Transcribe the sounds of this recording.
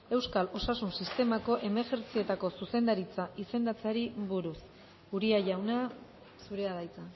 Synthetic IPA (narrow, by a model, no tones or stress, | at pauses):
e̞wskalo̞sasunsist̪e̞mako̞ʔe̞meʝeɾt͡sie̞t̪ako̞suse̞nd̪aɾit͡saʔise̞nd̪at͡seaɾiβuɾus | uɾiaʝawna | suɾe̞aðajt͡sa